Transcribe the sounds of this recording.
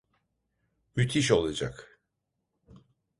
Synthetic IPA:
myt̪ʰiʃ̬o̞lˠad͡ʒa̰k

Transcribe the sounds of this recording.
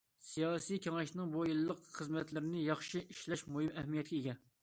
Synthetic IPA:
sijɑsijkʲʰɛŋɛʃnɨŋbojilˠːəqχəzmɛt̪lɪɾɪnɪjɑχʃiʔiʃlɛʃmoɦɨmɛhmijɛt̪̚kʲɛeɡʲɛ

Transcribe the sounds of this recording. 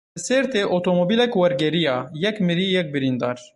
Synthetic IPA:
ɨseɾt̪eːʔot̪ʰomobiːlɛkwɛɾɡɛɾijɑːjɛkmɨɾiːjɛk̚bɨɾind̪ɑːɾ

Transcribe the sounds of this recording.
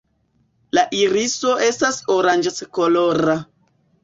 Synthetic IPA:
laʔiɾiso̞ʔe̞stasoɾand͡ʒskoloɾa

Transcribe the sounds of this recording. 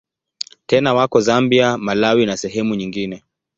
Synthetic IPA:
tɛnawakɔzambiamalawinasɛɦɛmuɲiŋɡinɛ

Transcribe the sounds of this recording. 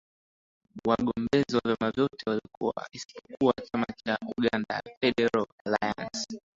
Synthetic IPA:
waɠɔmbɛziwavjamavjɔtʰɛwalikṵa̰isi̥pʰɔ̥kuwat͡ʃamat͡ʃaʔuɠanda̰fɛɗɛɾalalaja̰ns

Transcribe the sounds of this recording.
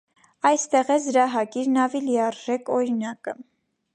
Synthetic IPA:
ɑjst̪ɛʁɛzɾɑɦɑkiɾnɑviliɑrʒɛkɔɾinɑkə

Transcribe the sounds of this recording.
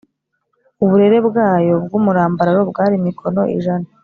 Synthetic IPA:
uβuɾe̞ɾe̞bɡaːjo̞b̚ɡuːmuɾaːmbaɾaɾo̞bɡaːɾimikʰo̞no̞̰ʔḭʒana

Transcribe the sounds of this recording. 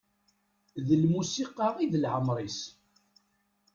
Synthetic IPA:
ðəlmusiqɑʁiðəlʕəmɾˤis

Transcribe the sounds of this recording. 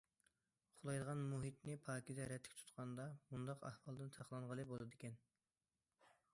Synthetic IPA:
χʰʊlˠɑjd̪əʁɑnmuɦit̪nɪpʰɑːkʲid̪ɛɾɛt̪ʰːɪ̥kʲt̪ʰu̥t̪qʰɑnd̪ɑbund̪ɑqɑ̰hwɑlˠd̪ɨnt̪ʰɑqlˠɑɴʁəlˠɨbolˠɨd̪ɪkʲɛn

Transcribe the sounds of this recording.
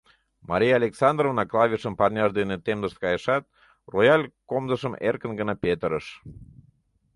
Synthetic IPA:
mɑɾʲijɑlʲeksɑnd̪rovnɑklˠɑvʲiʃəmpɑrnʲɑʃd̪enet̪emzəʃt̪kɑjəʃɑt̪̚ | rojɑlʲkomzəʃəmerkənɡə̆nɑpet̪əɾəʃ

